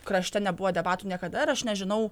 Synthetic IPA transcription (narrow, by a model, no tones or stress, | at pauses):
kɾɐʃʲt̪ʲɛnʲɛbʊʋoːd̪ʲɛbɑːt̪uːnʲiɛkɐd̪ɐɪɾɐʃnʲɛʒʲɪnɐʊ